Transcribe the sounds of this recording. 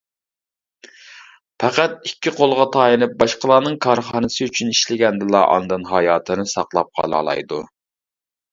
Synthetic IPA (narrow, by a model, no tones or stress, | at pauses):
pʰæqæt̪̚ikʲːɪqʰolˠʁɑt̪ʰɑːjinɪp̚bɑʃqəlˠɑːnɨŋkʰɑɾχɑːnɨsɨyt͡ʃʰyniʃlɪɡʲɛnd̪ɨlˠɑʔɑ̰nd̪ɨnɦɑjɑːt̪ʰɨnɪsɑqlˠɑp̚qʰɑ̰lˠɑ̰ːlˠɑ̰jd̪u